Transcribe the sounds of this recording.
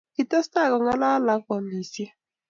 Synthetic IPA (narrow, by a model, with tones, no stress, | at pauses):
i˨ta˦sta˦˨kɔ˨ŋa˦la˦la˨˦kɔ˨ni˨si˦